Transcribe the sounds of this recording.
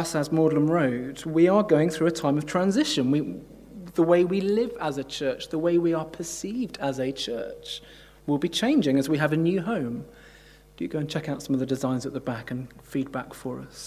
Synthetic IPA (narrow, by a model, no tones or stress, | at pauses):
ʌsəzmɔdlə̃mɹoʊtwiə˞ɡoʊɪ̃ŋθɹʉɨtʰãɪ̃mʌv̥tʰɹ̥æ̃nzɪʃɨ̃nwi | ðəweɪwilɪvəzɨt͡ʃʰɜˑ˞t͡ʃðəweɪwiə˞pʰə˞sivdəzɨt͡ʃʰɜ̰ˑ˞t͡ʃ | wɪlˠbit͡ʃʰẽɪ̃nd͡ʒɪ̃ŋɨzwiəvɨnjʉɦõʊ̃m | d̥ɨjɨɡoʊ̃nt͡ʃʰɛkaʊtsʌ̃mʌvðədɨzãɪ̃nzət̪̚ðəbækɨ̃nfid̚bækfəɹʌ̰s